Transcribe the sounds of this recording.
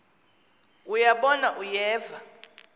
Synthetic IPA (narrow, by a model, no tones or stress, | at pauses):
ujaɓɔnaʔujɛːva